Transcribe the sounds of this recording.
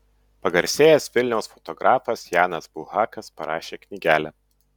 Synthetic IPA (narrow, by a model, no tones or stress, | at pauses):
pɐɡɐɾʲsʲeːjɛsʋʲɪlʲnʲɛʊsfɔt̪ɔɡɾʔɑːfɐsjɑːnɐsbʊlˠhɑːkɐspɐɾɑːʃʲeːknʲɪɡʲæːlʲɛ